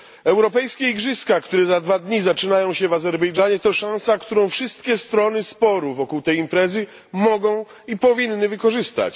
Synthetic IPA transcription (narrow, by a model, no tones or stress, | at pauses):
ɛwɾɔpɛjskʲeiɡʐɘskakt̪uɾɛzad̪vad̪ɲizat͡ʂɘnajɔ̃w̃ɕɛvazɛɾbɛjʐaɲɛt̪ɔʂãw̃sakt̪uɾɔ̃w̃fʂɘst̪̚kʲɛst̪ɾɔnɘspɔɾuvɔkuwt̪ɛjimpɾɛzɘ | mɔɡɔ̃w̃ | ipɔvʲinːɘvɘkɔʐɘst̪a̰t͡ɕ